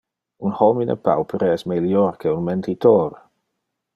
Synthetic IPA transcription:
unhɔminʔə̰pʰa̰wpʰɾəɛsmeljɔrkʰeunmɛnt̪ʰitʰɔːɾ

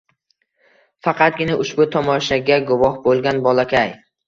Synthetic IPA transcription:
fɑqʰɑt̪̚ɡʲɪnaʊʃbʊt̪ʰɒmɒʃaɡʲaɡʊvɒhbolˠɡʲanbɒlˠakʲʰaj

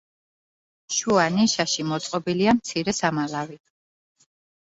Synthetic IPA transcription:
ʃuaniʃaʃimɔt̪sʼqʼɔbiliamt̪sʰiɾɛsamalavi

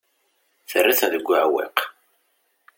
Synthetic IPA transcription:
θərːiθæðəɡʷːəʕwḭq

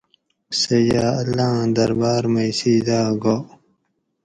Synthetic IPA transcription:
sɐjaːɐlːãːd̪ɐɾbaːɾmɐjsiːd̪aːɡo

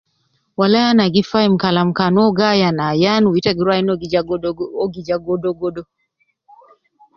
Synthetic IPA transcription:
walajanaɡifaimkalamkanɔɡajanajanuwitaɡiɾajnɔ | ɔɡid͡ʒaɡɔdɔɡɔdɔ

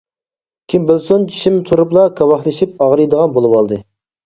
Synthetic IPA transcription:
kʲʰimbɪlsunt͡ʃʰi̥ʃimt̪ʰuɾuplˠɑkʰɑwɑχlˠɨʃip̚ɑʁɾɨjd̪əʁɑnbolˠɨwɑlˠd̪ɨ

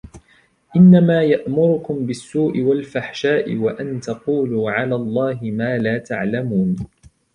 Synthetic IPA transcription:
ʔɪnːamaːjaʔmʊɾʊkʊmbɪsːuːʔɪwalfaħʃaːʔɪ̰waʔant̪ɑquːluːʕalaːlˤːɑːɦɪmaːlaːt̪aʕlamuːn

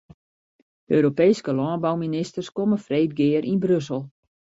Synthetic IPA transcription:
øːɾopejskəlɔːnbawminɪstərskoməfreːt̚ɡɪəɾʔinbrøsəlˠ

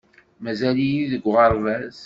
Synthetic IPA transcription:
mæzælijiðəɡʷʁəɾˤvæz

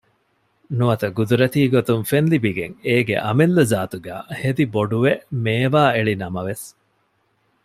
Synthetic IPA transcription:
nuɐt̪ɐɡud̪uɾɐt̪iːɡot̪uŋfenlibiɡḛŋeːɡḛʔɐmelːɐzaːt̪uɡæ̰ːhed̪iboɖuʋemeːʋaːeɭinɐmɐʋes

